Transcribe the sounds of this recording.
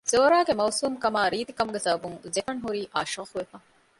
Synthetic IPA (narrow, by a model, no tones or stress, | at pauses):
z̥oːɾaːɡemɐwsuːmkɐmaːɾiːt̪ikɐmuɡesɐbɐbuŋzefɐnɦuɾiːʔa̰ːʃoːquʋefɐ